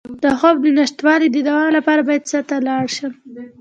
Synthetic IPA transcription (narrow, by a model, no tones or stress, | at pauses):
d̪̥əxobninaʃt̪wɑlid̪əd̪awɑlapɑɾabɑjad̪sət̪alɑɽʃəm